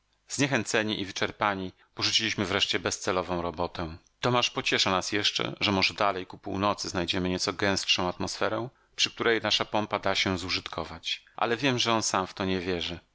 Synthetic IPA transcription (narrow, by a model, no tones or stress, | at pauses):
zɲɛxɛnt̪sɛɲiʔivɘt͡ʂɛɾpaɲi | pɔʐut͡ɕilʲiɕmɘvɾɛʂt͡ɕɛbɛst̪sɛlɔvɔ̃w̃ɾɔbɔt̪ɛ̃ | t̪ɔmaʂpɔt͡ɕɛʂanasjɛʂt͡ʂɛ̰ʐɛmɔʐɛd̪alɛjkupṵwnɔt̪sɘznajd͡ʑɛmɘɲɛt̪sɔɡɛ̃w̃stʂɔ̃w̃at̪mɔsfɛɾɛw̃ | pʂɘkt̪uɾɛjnaʂapɔmpad̪aɕɛzuʐɘt̪kʰɔvat͡ɕʔa̰lɛvʲjɛmʐɛɔnsamft̪ɔɲɛvʲjɛʐɘ